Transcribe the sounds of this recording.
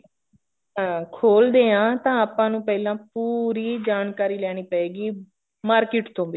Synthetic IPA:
ɦãkʰoːld̪eːãːt̪ãːaːpãːnũːpɛːlãːpuːɾiːd͡ʒaːnkaːɾiːlɛːɽ̃iːpəeːɡiː | maːɾkɪːʈt̪õːbiː

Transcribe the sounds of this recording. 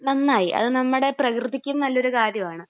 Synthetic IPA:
nɐnːaːjiʔɐ̰ðɨnɐmːuɽe̞prɐkrɨðikʲːumnɐlːo̞ɾukaːɾjɐmaːɳɨ

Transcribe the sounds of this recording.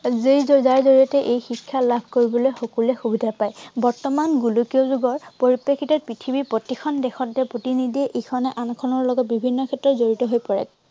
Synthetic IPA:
zejzɔzaɹzoɹiɔtɛʔejxikʰːjalabʱkoɹibɔlojxokulɛxubidʱapajbɔɹtɔmanɡulukiozuɡɔɹpoɹipːekʰːitɔpɹitʰibipotikʰɔndɛxɔntɛpɹotinidiɛʔejkʰɔnɛʔankʰɔnɔɹlɔɡɔt̚bibʱinːɔkʰɛtːɹɔzoɹitɔɦojpɔɹɛ̰k̚

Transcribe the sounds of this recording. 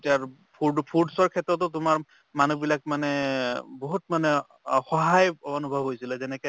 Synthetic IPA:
tiaɹ | pʰuɹɖpʰuɹɖsɔɹkʰɛtɹɔt̬ɔtʊmaɹ | manubilak̚manɛboɦutmanɛ | xɔɦajɔnubʱɔbɦojsilɛzɛnɛkɛ

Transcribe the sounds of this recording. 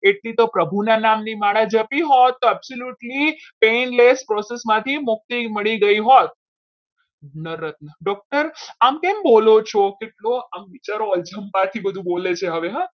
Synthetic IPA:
eʈlit̪opɾəbʱunanamnimaɽad͡ʒəpiɦot̪ːoɛbsoljuʈlipenlespɾɔsesmãt̪ʰimʊk̚t̪iməɭiɡəiɦot̪̚ | nəɾət̪nəɖɔk̚ʈəɾamkɛmbolot͡ʃʰokeʈloamʋit͡ʃaɾoəd͡ʒəmpãt̪ʰibəd̪ʱũbolet͡ʃʰeɦəʋeɦã

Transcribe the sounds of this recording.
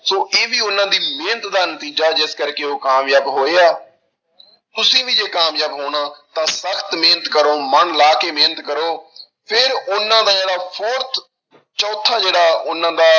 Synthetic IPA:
soːʔeːʋiːʊnːãːd̪iːmẽːnət̪d̪aːnət̪iːd͡ʒaːd͡ʒɪskəɾkeːoːkaːmjaːbɦoːeːaː | t̪ʊsĩːʋiːd͡ʒeːkaːmjaːbɦoːɽãːt̪ãːsəkʰt̪meːnət̪kəɾoːmənlaːkeːmẽːnət̪kəɾoː | pʰɪɾʊnːãːd̪aːd͡ʒeːɽaːpʰoːɾt̪ʰ | t͡ʃɔːt̪ʰːaːd͡ʒeːɽaːʊnãːd̪aː

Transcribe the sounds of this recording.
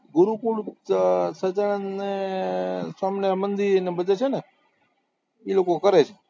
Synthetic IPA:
ɡuɾukuɽ | sət͡ʃanːe | samnemənd̪iɾnebəd͡ʒet͡ʃʰene | ilokokəɾet͡ʃʰe̥

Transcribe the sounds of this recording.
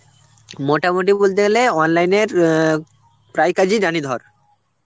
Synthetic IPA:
moʈamoʈ̬ibolt̪̬eeleɔnlajneɾ | pɾajkad͡ʑʱiɾanid̪ʱɔɾ

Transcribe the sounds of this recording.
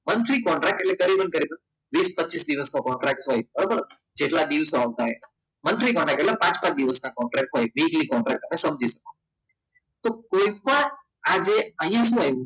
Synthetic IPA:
mənt̪ʰɾikɔ̃ɳʈɾɛk̚ʈeʈlekəɾibənkəɾibən | ʋispətːt͡ʃisd̪iʋəskokɔɳʈɾɛk̚ʈsɦojbəɾobəɾ | d͡ʒeʈlad̪iʋsaʋt̪aɦenamənt̪ɾikɔ̃ɳʈɾɛkʈelapãt͡ʃpãt͡ʃ̚d̪iʋəsnakɔɳʈɾɛk̚ʈɦojʋiklikɔ̃ɳʈɾɛk̚ʈt̪ːəmẽsəmd͡ʒʱisəko | t̪okoipəɽ̃ | ad͡ʒeə̃ɦĩjãʃ̬ũaũ

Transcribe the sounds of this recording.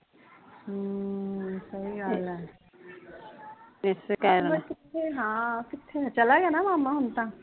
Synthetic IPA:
sɐɦiɡaːlɛː | mesekaːɾkɪt̪ʰːeɦãːkɪt̪ʰːeɦt͡ʃɐlaɡejanamaːmːaɦʊnt̪aː

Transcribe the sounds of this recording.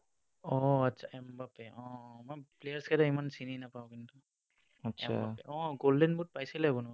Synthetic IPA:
ɔatːsʰaɛmbapɛɔ̃mɔjplejaɹskɛɾaimansininapaʊ̃kintu | atːsɛma̰bapɛʔɔ̃ɡoldɛnbut̚pajsilɛbʊn

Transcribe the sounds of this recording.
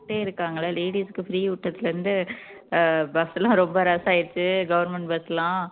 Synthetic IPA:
ʈːeːɪɾɯkːaːŋɡɐɭɐleːɽiːsɯkːɯfɾiːʊʈːɐt̪ːɪlɐɾɯnd̪ɯ | bɐsɐlːãːɾɔmbɐɾɐsaːjɪɾt͡ʃːɯɡɐʋɐɾnmɛɳʈbɐslãː

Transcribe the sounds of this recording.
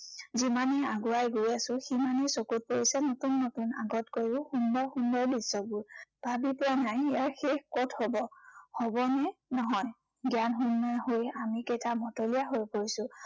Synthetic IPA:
zimanɛaɡuajɡojasʊ̃ximanesokut̚poɹisɛnotunːotuna̰ɡɔtkoɹiʊxundɔɹxundɔɹbisɔbʊɹb̥ʱabipʊanajijaxexkɔtʰhɔbɔhɔbɔnɛnɔɦɔj | ɡjanɦunːɔhojamikejtʰamɔtolijaɦojpoɹisʊ̃

